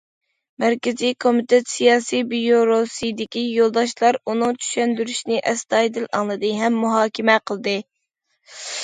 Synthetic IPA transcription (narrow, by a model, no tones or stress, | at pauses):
mæɾkʲɪzijkʰomit̪et̪sijɑːsijbijoɾosid̪ɪkʲijolˠd̪ɑʃlˠɑɾunɨŋt͡ʃʰy̥ʃɛnd̪yɾyʃnɪʔɛst̪ɑjd̪ɨlɑŋlˠɨd̪ɨɦɛmːuɦɑːkʲʰɪmɛqʰəlˠɨd̪ɨ